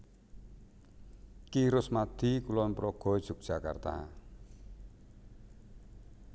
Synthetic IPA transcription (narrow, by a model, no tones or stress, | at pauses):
kiɾʊsmad̪̥i̤kulɔmpɾɔɡ̥ɔ̤d̥ʒ̥ṳk̚d̥ʒ̥a̤ka̰rt̪a̰a̰